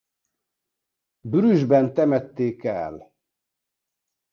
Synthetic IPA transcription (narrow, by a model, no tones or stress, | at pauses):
byɾyʒbɛnt̪ɛmɛt̪ːeːkɛ̰l